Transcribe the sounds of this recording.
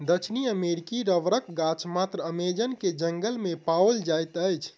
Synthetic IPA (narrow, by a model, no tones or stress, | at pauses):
d̪ət͡ʃʰniəmeɾikiɾəʋɾək̚ɡat͡ʃmat̪ɾəəmed͡ʒənked͡ʒəŋɡəlmepawld͡ʒajt̪əjt͡ʃʰ